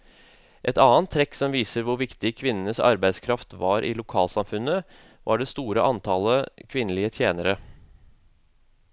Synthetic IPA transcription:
ʔɛt̪ɑːənt̪ʰːɾɛksɔmʋiːsəɾʋʊɾʋɪkt̪ɪkʰʋɪnːənəsɑ̰ɾbæɪskʰɾɑft̪ʋɑːɾʔɪ̰lʊkʰɑːlsɑmfʉnə | ʋʔɑɖɛst̪uːɾəʔɑnt̪ʰɑləkʰʋɪnəlɪət̪ʰjeːnəɾə

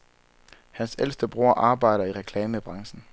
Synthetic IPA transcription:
hænsel̰sd̥əb̥ʁo̝ɐ̰ʔɑ̈ːb̥ɑ̈ɪ̰ɾɐiʁɛkʰlɛːməb̥ʁɑ̈ŋsn̩

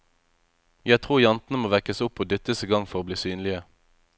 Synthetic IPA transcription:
jæt̪ʰʁuːjɑnt̪n̩əmoːʋɛkəsʊpoːd̪ʏt̪əsiɡɑŋfɔʁoːbliːsyːnlɪə

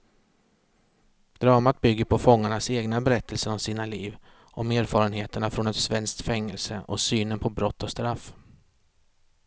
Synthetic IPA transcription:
d̪̥ɾɑːmat̪̚bʏɡːəɾpʰɔfɔŋːaɳaseːɡnabɛɾɛt̪ʰːəlsəɾɔmsiːnaliːv | ʔɔmeːɾfɑːɾənɦeːt̪əɳafɾɔnɛt̪svɛnsk̚t̪fɛŋːɛlsə̰ʔɔsyːnənpʰɔbɾɔt̪ːɔst̪ɾaf

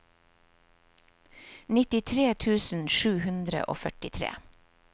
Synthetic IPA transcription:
nɪt̪ɪt̪ʰɾeːt̪ʰʉːsn̩ʃʉːhʉnd̪ɾə̰ʔo̰ːfœʈɪt̪ʰɾḛː

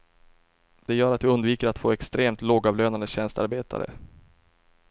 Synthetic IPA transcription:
d̪̥ɛjœːɾat̪vɪɵnd̪viːkəɾat̪foːɛkst̪ɾeːmt̪loːɡɑːvløːnand̪əɕɛnst̪a̰ɾbeːt̪ʰa̰ɾə̰

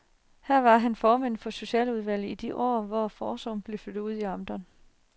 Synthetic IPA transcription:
hæɐ̰ʋɑ̈ɦænfɒːmen̰fɒ̽so̝ɕɛ̰ːluðˠʋæl̰̩ˠid̥iʔɒ̰ːʋɒfɒːsɒ̽mb̥le̝fød̥uð̰ˠiɑ̈md̥ɐn

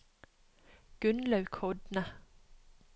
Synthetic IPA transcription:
ɡ̥ʉnlɑʉkʰɔd̪nə

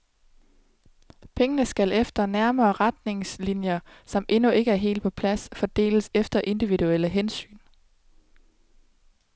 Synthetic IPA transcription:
pʰeŋənəsɡ̥ælefd̥ɐnæɐmɐːʁad̥ne̝ŋslinjɐsɒ̽mʔe̝nue̝ɡ̥əæɐɦe̝̰ːld̚pʰɒ̽pʰlæsfɒd̥e̝̰ːləsefd̥ɐʔe̝nd̥iʋiduel̰əɦensy̰ːn

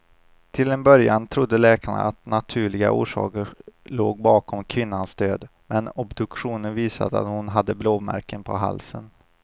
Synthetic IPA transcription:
t̪ʰɪlɛnbœɾjant̪ʰɾʊd̪ːəlɛːkʰaɳa̰at̪nat̪ʰʉ̟ːɭɪɡa̰ʔṵːʂɑ̰ːkəɾɭoːɡ̚bɑːkʰɔmkʰvɪnːansd̪øːd̪mɛnɔbd̪ɵkɧuːnənviːsa̰d̪əa̰t̪hʊnɦad̪ːəbloːmæ̰ɾkənpʰɔɦa̰lsən

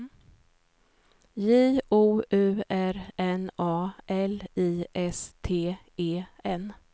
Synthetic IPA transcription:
jiːʔuːʉ̟ːæɾɛnɑːʔɛliːʔɛst̪ʰeː | eːɛn

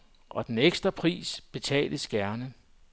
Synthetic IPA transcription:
ʔɒ̽d̥eneɡ̥sd̥ʁɐpʰʁḭːsb̥e̝t͡sʰɛ̰ːldəsɡ̥æɐnə

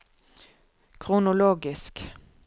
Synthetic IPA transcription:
kʰʁʊnʊloːɡɪsk

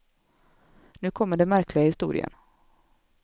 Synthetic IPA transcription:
nʉ̟ːkʰɔmːəɖɛnmæɾkʰlɪɡahɪst̪ṵːɾɪ̰ə̰n

